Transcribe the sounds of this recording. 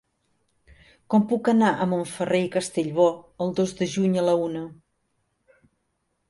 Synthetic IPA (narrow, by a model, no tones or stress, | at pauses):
kɔmpukənaʔəmoɱfərejkəst̪eʎβɔəlˠd̪ozdəʒuɲələunə